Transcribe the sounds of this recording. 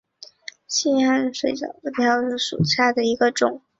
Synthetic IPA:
ɕi˥˩a˥nʂwe˧˩ɪʈ͡ʂɑ̰˨˩ʊd̪ə˧˩t̪ʰjɑ˧˥ʊ˥˩ʂṵ˨˩ʈ͡ʂʰa˥˩d̪ə˨i˧˥ɡə˧ʈ͡ʂʊ˨˩˦ŋ

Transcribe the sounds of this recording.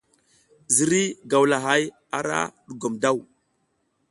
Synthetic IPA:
zi˨ɾi˦ɡa˨wla˨ɦa˦j | a̰˦ɾa̰˦ɗu˨ɡo˨mda˦˨w

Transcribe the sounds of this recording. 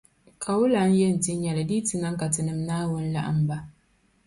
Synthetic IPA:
kʰa˨wʊ˦la˨˦n˦jɛ˦n̩˨tɪ˦ɲ˦ɛ˨la˨diː˦tɪ˨na˦ŋka˨tɨ˨nɨ˦m˦naː˦wʊ˦n̩˦la̰˦ʔa̰˨m˦ba˦

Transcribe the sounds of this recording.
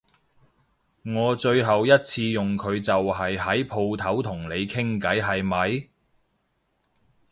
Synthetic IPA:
ŋɔː˨˧t͡ʃɵ˧ɥɦɐ˨wjɐ˥t̚t͡sʰiː˧jʊ˨ŋkʰɵ˨˧ɥt͡sɐ˨wɦɐ˨jhɐ˨˥jpʰo˧wt̪ʰɐ˨˥wt̪ʰʊ˨˩ŋle˨˧jkʰɪ˥ŋkɐ˨˥jɦɐ˨jmɐ˨˧j

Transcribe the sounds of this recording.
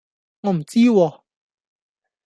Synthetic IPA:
ŋɔ˧m̩˨˩t͡si˦wɔ˧

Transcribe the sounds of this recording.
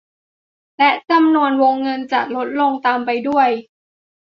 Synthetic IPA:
lɛ˦˥ʔt͡ɕa˧mnu˧ənwoː˧ŋːɤ˧nt͡ɕa˨˩k̚lo˦˥t̪̚lo˧ŋt̪aː˧mpa˧jdu˥˩əj

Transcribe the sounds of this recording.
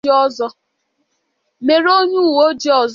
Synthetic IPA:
ɔ˦zɔ˦ | me˨ɾo˦ɲu˦˨wo˦d͡ʒi˦ɔ˨z

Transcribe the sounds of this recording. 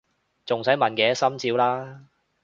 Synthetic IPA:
t͡sʊ˨ŋsɐ˨˥jmɐ˨nkɛː˨˥sɐ˥mt͡siː˨˧˥wlaː˥

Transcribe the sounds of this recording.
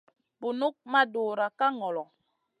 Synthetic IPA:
bu˨nu˦k̚ma˦do˨ɾa˨ka˦ŋɔ˨lɔ˨

